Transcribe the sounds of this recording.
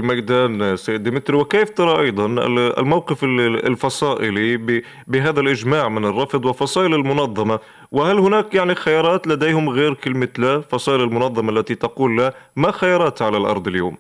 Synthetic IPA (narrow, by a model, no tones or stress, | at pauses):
lmajd̪aːnsajːɪd̪ːɪmɪt̪ɾiwɪkeːft̪ɑɾˤɑʔɑjd̪ˤɑn̰lmawqɪfɪɪlfɑsˤɑːʔɪlibɪ | bɪɦaːðalʔɪd͡ʒmaːʕmɪnɪrˤːɑfd̪ˤwɪfɑsˤɑːʔɪlɪlmʊnɑðˤːɑmɑ | wɪhalhʊnaːkjaʕnixajɑːɾˤɑːt̪lad̪eːhʊmɣeːɾkɪlmɪt̪laːfɑsˤɑːʔɪlɪlmʊnɑðˤːɑmaʔlːat̪it̪ɑquːlːamaxajɑːɾˤɑːt̪ʕalalʔɑ̰ɾˤd̪ˤɪljo̰ːm